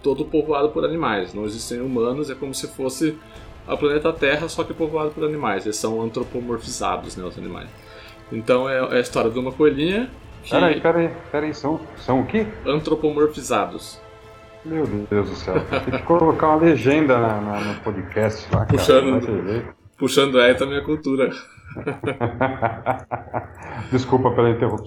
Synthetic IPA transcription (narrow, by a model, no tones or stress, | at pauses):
t̪od̪ʊpovoad̪ʊpoɾanimajsnɐ̃w̃ezist̪ẽj̃umɐ̃nʊzɛkõmʊsɪfosɪ | ɐ̰plɐnet̪ɐt̪ɛɦɐsɔkɪpovoad̪ʊpoɾanimajzelɪsːɐ̃w̃ɐ̃nt̪ɾopomoɾfiza̰d̪ʊznɛʊzɐ̰nḭma̰js | ẽnt̪ɐ̃w̃ɛɛɐist̪ɔɾjɐd̪ɪũmɐkoeʎĩɲɐ | kpɪɛɾaipɛɾɐipɛɾɐisɐ̃w̃sɐ̃w̃ʊkɪɐ̃nt̪ɾopomoɾfizad̪ʊs | mewd̪ewzd̪ʊsɛw̪t̪ẽt͡ʃɪ̥kolokaũmɐleʒẽnd̪ɐnɐnɐnʊpod͡ʒɪkɛst͡ʃɪla̰kuaʃʃɐ̃d̪ʊt̪evejt̪ʊ̥ | puʃɐ̃nd̪ʊɛt̪ɐmĩɲɐkuwt̪uɾɐ | d͡ʒɪskupɐpelɐĩnt̪ehup